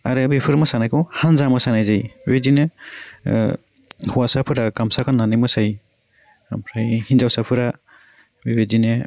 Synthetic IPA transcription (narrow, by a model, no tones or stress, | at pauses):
aɾɯbepʰɯɾmɯsanajkʰɔhanzamɯsanajzajbedinɯ | huwasapʰɯɾakamsakʰanːanɯmɯsaj | pʰɾajhinzawsapʰɯɾa | bebedinɯ